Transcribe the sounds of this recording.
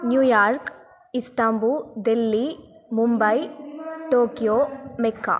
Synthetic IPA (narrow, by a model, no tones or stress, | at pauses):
njuːjaːɾk | isʈambud̪elːimumbɐjʈoːkijoːmekːa̰